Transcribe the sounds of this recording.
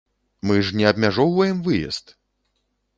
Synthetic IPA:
mɨʐnʲɛɐbʲmʲaʐɔwvɐjɛmvɨjɛ̰st̪

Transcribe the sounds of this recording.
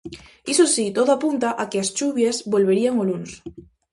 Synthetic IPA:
isosit̪oðoapunt̪aʔakeast͡ʃuβjezbolβe̞ɾiaŋoluns

